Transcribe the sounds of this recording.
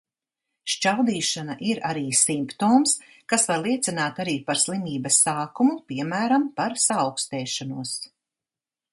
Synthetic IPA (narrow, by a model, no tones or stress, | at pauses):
ʃt͡ʃawd̪iːʃanaʔiɾaɾiːsimpt̪oːms | kasvaɾlˠiɛt̪sinaːt̪aɾiːpaɾslˠimiːbɐsːaːkumupiɛmæːɾampaɾsaːwkst̪ɛːʃanuɔs